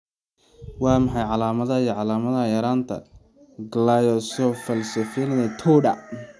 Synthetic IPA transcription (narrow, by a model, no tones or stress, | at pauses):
wɑːmɑħɑjʕɑlaːmɐðɐijɔʕɑlaːmɐðɐjɐɾaːnt̪ʰɐ̰ | ɡlajɔsɔfɐlsɐfɛnnɛt̪ʰɔːɖɐ